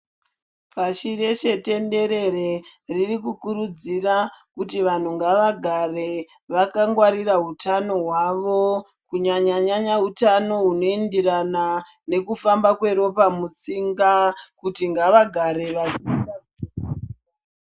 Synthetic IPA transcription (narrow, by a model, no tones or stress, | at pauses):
paʃiɾe̞ʃe̞te̞nde̞ɾe̞reririkukuɾud͡zirakutiʋan̤uŋɡaʋaɡʱare̞ʋakaŋɡwaɾiraɦutano̞ɦwaʋo̞ | kuɲaɲaɲaɲaɦutano̞ɦuno̞endiranane̞kufambakwe̞ɾo̞pamut͡siŋɡakutiŋɡaʋaɡʱaɾe̞ʋaʒiːa